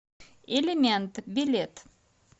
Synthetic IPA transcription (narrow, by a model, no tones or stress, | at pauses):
elʲemʲent̪bʲilʲet̪